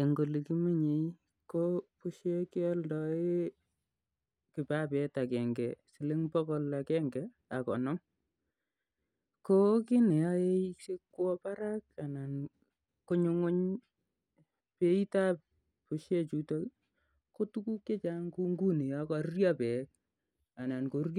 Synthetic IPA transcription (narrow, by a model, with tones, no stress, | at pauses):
e˨ŋɡo˨li˨ki˦mi˦ɲe˨˦ | ko˦pʊ˦ʃje˦ke˦ɔ˦ldɔ˦e˦ | kɪ˨pa˦pɛ˨ta˨kɛ˨ŋɡɛ̰˨sɪ˨lɪ˦ŋpɔ˦ko˨la˨kɛ˦ŋɡɛ˨ | a˨kɔ̰˨nɔ˦m | ko˦kɪ˦ne˨ja˦e˦i˦se˦kːwɔ˦pa˦ɾa˦ka˨na˨n | ko˦ɲʊ˦ŋo˦ɲ | pe˦i˦ta˦p̚ | pu˨ʃje˦t͡ʃu˨to˦ | ko˦tu˦ku˦kːe˦t͡ʃa˦ŋku˦ŋɡu˦ni˨jɔ˦kɔ˨rrja˦pɛ˨k̚ | a˨na˨nko˨˦